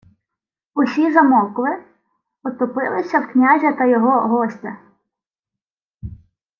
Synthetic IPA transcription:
ʊsʲizɐmɔwklˠɪ | ɔt̪ɔpɪlˠɪsʲɐwknʲaʒʲɐt̪ɐjɔɦɔɦɔsʲtʲɐ

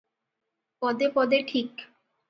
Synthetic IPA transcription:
pɔd̪epɔd̪eʈʰik

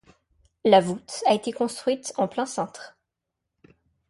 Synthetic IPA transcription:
lavut̪aet̪ekɔ̃st̪χɥit̪ɑ̃plɛ̃sɑ̃t̪χ

